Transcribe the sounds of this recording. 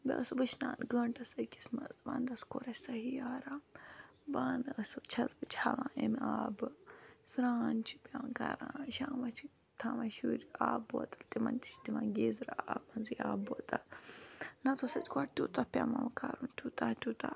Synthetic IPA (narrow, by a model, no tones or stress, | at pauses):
bʲɐ̰əsʋɨt͡ʃʰnaːnɡəɳʈɐsɐkʲismɐzʋaːnd̪ɐskoɾɐsɐɦiaːɾaːmbaːnd̪ɐsɨt͡ʃʰɐzɨt͡ʃʰaːʋãːʔemaːbɨsɾaːnt͡ʃʰi̥pʲaːnka̰ɾã̰ːʃaːmɐt͡ʃʰi | t̪ʰaːmɐʃuːɾʲaːboːt̪ɐlt̪imɐ̰nt̪ʲi̥t͡ʃd̪imãːnɡeːzɾaaːbmɐnziaːbot̪ɐl | nɐt̪ʰosɐt̪ʲkoʈt̪ʲuːt̪ɐpʲaːmɐmkaːɾunt̪ʲuːt̪aːt̪ʲuːt̪a̰